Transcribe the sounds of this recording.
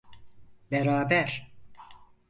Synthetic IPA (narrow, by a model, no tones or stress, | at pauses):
beɾaːbæɾ